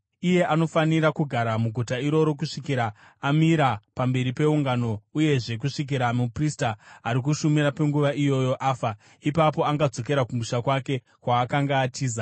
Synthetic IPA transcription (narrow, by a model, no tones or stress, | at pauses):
ije̞ʔano̞faniɾakuɡʱaɾamuɡʱutaiɾo̞ɾo̞k̬uʂikiɾaː | miɾapambe̞ɾipe̞uŋɡano̞uje̞ʐe̞k̬uʂik̬iɾamupristaːɾik̬uʃumiɾape̞ŋɡuʋaʔijo̞jo̞ʔaːfa | ipapo̞aŋɡad͡zo̞k̬e̞ɾakumuʃakwake̞ | kwaːkaŋɡaːtʰiːza